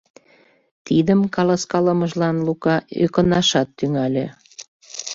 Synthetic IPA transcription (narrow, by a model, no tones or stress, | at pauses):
t̪id̪əmkɑlɑskɑləməʒlɑnlukɑø̰kənɑʃɑt̪ːyŋɑlʲe